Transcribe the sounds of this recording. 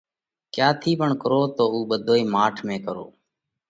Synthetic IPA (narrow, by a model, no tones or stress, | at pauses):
kjaːt̪ʰiːpəɳkəɾoːt̪oːuːɓəd̪ʱoːiːmaːʈʰmẽːkəɾo̰ː